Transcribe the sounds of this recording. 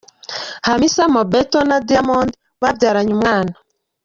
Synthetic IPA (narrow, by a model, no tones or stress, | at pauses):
hamisamobetonadiamondi | βabɟaːɾaɲumŋaːna